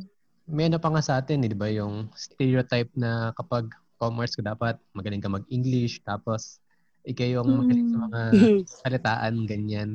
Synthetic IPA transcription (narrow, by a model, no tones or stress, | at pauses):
mɛʔɐnopɐŋasɐʔaːt̪ɪnɪd̪ɪbajʊŋst̪ɛɾiot̪ajp̚nɐkɐpɐɡ̚ | komɛɹskɐd̪aːpɐt̪̚mɐɡɐlɪŋkɐmɐɡ̚ʔiŋɡlɪʃt̪aːpo̞s | ʔɪkajoŋmɐɡɐlɪŋsɐmɐŋasɐlɪt̪aːʔɐnɡɐɲan